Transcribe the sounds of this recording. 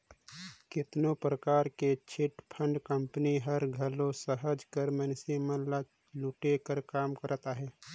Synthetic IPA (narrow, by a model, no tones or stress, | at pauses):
kɪt̪nopɾəkaːɾket͡ʃʰɪʈpʰə̃ɳɖkə̃mpəniɦəɾɡʱəlõsəɦəd͡ʒkəɾmənsimənla | luʈekəɾkaːmkəɾt̪aɦɛː